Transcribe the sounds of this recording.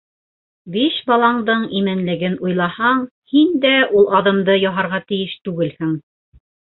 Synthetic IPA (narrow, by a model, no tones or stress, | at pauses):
biʃbɑlˠɑɴd̪ɤɴimænlɘ̆ɡɘnujlˠɑhɑɴ | hind̪æʔulˠʔɑðɤ̆md̪ɤjɑɦɑɾʁɑt̪ɘ̆jɘʃt̪ʉɡɘlhɘŋ